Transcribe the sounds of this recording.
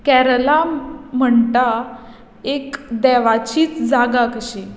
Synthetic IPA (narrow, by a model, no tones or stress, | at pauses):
kɛɾlam̤əɳʈa | ekd̪ɛʋat͡ɕiːt͡sd͡zaɡakəɕẽ